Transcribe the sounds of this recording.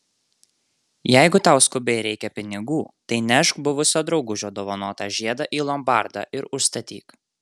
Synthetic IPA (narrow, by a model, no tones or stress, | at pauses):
jæɪɡʊt̪ɑˑʊskʊbʲɛɪɾʲɛɪkʲɛpʲɪnʲɪɡuːt̪ɐɪnʲɛʃkbʊʋʊsʲoːd̪ɾɒʊɡʊʒʲoːd̪oːʋɐnoːt̪ɑʒʲiɛd̪ɐʔiːlˠɐmbɑˑɾd̪ɑ̰ːʔɪɾʊʃst̪ɐt̪ʲḭːk